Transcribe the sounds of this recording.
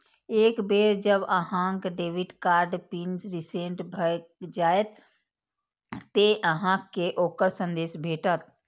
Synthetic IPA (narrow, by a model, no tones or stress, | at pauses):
eːkbeːɾd͡ʒəbəɦãːŋkɖeːʋɪʈkaːɾɖpiːnsɾɪsẽːɳʈbʱəd͡ʒaːet̪ | eʔəɦãkeʔoːkəɾsə̃nd̪eːʃbʱeːʈət̪